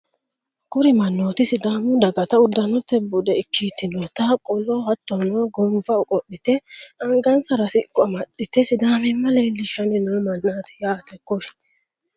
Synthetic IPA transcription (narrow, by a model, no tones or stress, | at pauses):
ɡ̥ʊɾɪmɐnːoːt̪ɪsɪd̪aːmʊd̪ɐɡɐt̪ɐʊd̪ːɐnɔt̪ːɛbʊd̪ɛɪkːiːt̪ːɪnot̪akʼɔlɔhɐt̪ːɔnoːɡɔmbɐʊkʼɔɗːɪt̪ɛɐŋɡɐnsɐɾɐsɪkːɔɐmɐɗɪt̪ɛsɪd̪aːmɛmɐlelːɪʃɐnɛnoːmɐnːaːt̪ɛ̥jaːt̪ɛkːɔʃɪ̥